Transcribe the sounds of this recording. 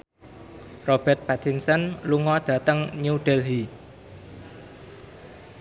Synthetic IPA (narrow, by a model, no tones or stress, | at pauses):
rob̥ɛrt̪̚pat̪insənluŋɔd̪̥ä̤t̪əŋɲuɖ̥ɛlɦi